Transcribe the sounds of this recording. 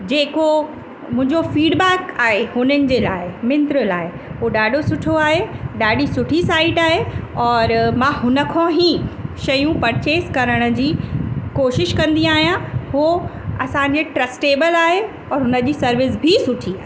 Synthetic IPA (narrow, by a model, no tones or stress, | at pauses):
d͡ʑeːko | mʊ̃ɦɪ̃ɲd͡ʑofiːɖbɛːkaːɦehʊnənɪ̆d͡ʑeːlaːɪmɪnt̪ɾəlaːɪ | ɦoɗaːɖʱosʊʈʰoaːɦeɗaːɗisʊʈʰisaːɪʈaːɦeɔːɾmãːɦʊnə̆kʰõɦĩʃɐjũpɐɾt͡ɕeːskɐɾəɽ̃ʊ̆d͡ʑiːkoːʃɪʃkɐ̃nd̪iaːɦijãɦoɐsãɲd͡ʑeʈɾɐsʈeːbəlaːɦe | ɔːɾɦʊnəd͡ʑiːsɐɾʋɪs̬bʱisʊʈʰiaː